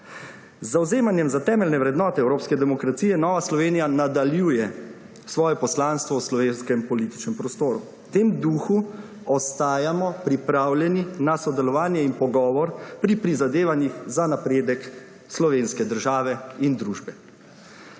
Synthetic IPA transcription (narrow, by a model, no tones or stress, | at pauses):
zːawzeːmanjɛmzat̪ɛːmɛlnɛʋɾɛd̪nɔːt̪ɛɛwɾoːpskɛd̪ɛmɔkɾat̪siːjɛnɔːʋaslɔʋeːnijanad̪aljuːjɛ | sʋɔːjɛpɔslaːnst̪ʋɔwslɔʋeːnskɛmpɔliːt̪i̥t͡ʃnɛmpɾɔst̪oːɾu | t̪eːmd̪uːxu | ɔst̪aːjamɔpɾipɾaːwlɛninasɔd̪ɛlɔʋaːnjɛinpɔɡɔːʋɔɾpɾipɾizad̪eːʋanjixzanapɾeːd̪ɛk | slɔʋeːnskɛd̪əɾʒaːʋɛind̪ɾuːʒbɛ